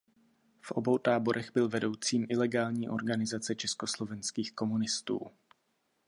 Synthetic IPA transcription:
fʔo̞̰bo̞wt̪aːbo̞ɾʔɛɣbɪlvɛdo̞wt͡siːmʔɪlɛɡaːlɲiːʔo̞ɾɡanɪzat͡sɛt͡ʃɛskoslo̞vɛnskiːxko̞munɪst̪ṵː

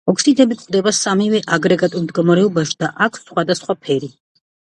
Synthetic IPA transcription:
ɔkʰsid̪ɛbikʼd̪ɛbasamivɛʔaɡɾɛɡat̪ʼuɾmd̪ɡɔmaɾɛɔbaʃd̪aʔakʰsχwad̪asχwapʰɛɾi

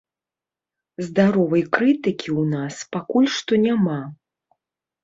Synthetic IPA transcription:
zd̪aɾɔvɐjkɾɨt̪ɨkʲʰiwnaspakulʲʂt̪ɔnʲama

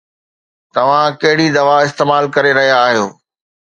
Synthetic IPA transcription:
t̪ɐʋ̤ãkɐɦɪɽid̪ɐʋaɪst̪eːmaːlkɐɾeɾɐɦijaːɦijoː

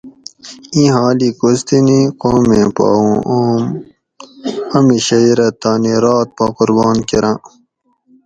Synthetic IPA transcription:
ĩɦaːlikost̪iniqoːmẽpa̰ːũːm | ɐmiɕɐiɾɐt̪aːniɾaːt̪̚pɐqʊɾbɑːnkiɾã

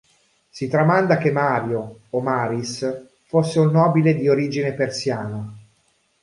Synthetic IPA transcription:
sit̪ɾamand̪akemːaːɾjoːomaːɾis | fosːeunːɔːbiled̪ioɾiːd͡ʒinepersjaːna

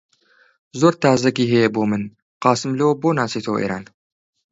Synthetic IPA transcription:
zoɾt̪ʰaːzɐɡiːɦejɛboːmɨn | qɑːsɨmlewboːnaːsit̪ʰowʔḛɾa̰ːn

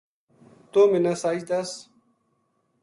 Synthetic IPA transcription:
t̪oːminasaːid̪ɐs

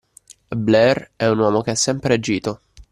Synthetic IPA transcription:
blɛrɛunwɔːmok̟eɛsːɛmpɾead͡ʒːiːt̪o

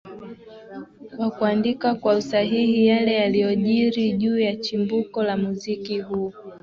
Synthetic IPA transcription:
kwakuandikakwausaɦihijalɛjalijɔʄiɾiʄuːjat͡ʃimbukɔlamuzikihuɔ

